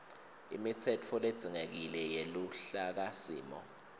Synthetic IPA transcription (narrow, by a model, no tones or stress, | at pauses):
ḭmitʰɛt͡fʰɔled̥z̥ʱiŋek̬ilɛjeluɬak̬asḭːmɔ̰